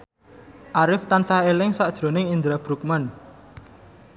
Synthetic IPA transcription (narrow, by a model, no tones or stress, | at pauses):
ʔaɾɪft̪ansaelɪŋsɔʔd̥ʒ̥ɾo̤nɪŋind̪ɾab̥ɾuk̚man